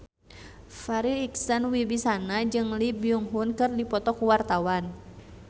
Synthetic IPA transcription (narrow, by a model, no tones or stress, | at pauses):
faɾiiksanwibisanad͡ʒɨŋlibiuŋɦunkɨrdipɔt̪ɔkuwart̪awan